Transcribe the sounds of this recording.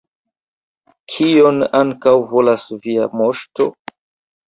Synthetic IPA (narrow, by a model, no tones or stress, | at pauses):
kʰio̞naŋkawvolasviamoʃto